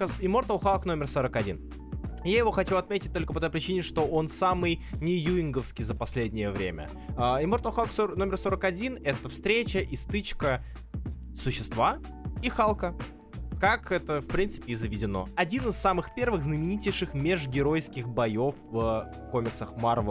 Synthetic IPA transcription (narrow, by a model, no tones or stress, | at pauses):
sɪmort̪əlˠxalˠkno̞mʲɪrsoɾəkɐdʲḭn | jajɪvo̞xɐt͡ɕuɐt̪mʲetʲɪt̚ʲt̪o̞lʲkəpɐt̪ojpɾʲɪt͡ɕinʲɪʂt̪o̞ʔo̞nsamɨjnʲɪjuɪŋɡəfskʲijzəpɐsʲlʲedʲnʲɪjəvɾʲemʲə̰ | əɪmo̞rt̪əlˠxalˠksono̞mʲɪrso̞ɾəkɐdʲinɛt̪əfst̪ɾʲet͡ɕəʔɪst̪ɨt͡ɕkə | sʊɕːɪst̪va | ixalˠkə | kakɛt̪əfpɾʲint̪sɨ̥pʲɪɪzəvʲɪdʲɪno̞̰ɐdʲinɨsːamɨxpʲe̞rvɨɣznəmʲɪnʲitʲɪjʂɨxmʲɪʐɡʲɪɾo̞jskʲɪxbɐjo̞fv | ko̞mʲɪksəxmarvə